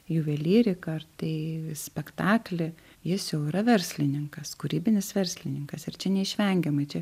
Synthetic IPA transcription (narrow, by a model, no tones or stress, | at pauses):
juʋʲɛlʲiːɾʲɪkɐrt̪ɐɪsʲpʲɛkt̪ɑːklʲɪ | jɪsjɛʊɪɾɐʋʲɛɾʲsʲlʲɪnʲɪŋkɐskʊɾʲiːbʲɪnʲɪsʋʲɛɾʲsʲlʲɪnʲɪŋkɐsɪɾt͡ʃʲɛnʲɛɪʃʲʋʲɛŋʲɡʲɛmɐɪt͡ʃʲɛ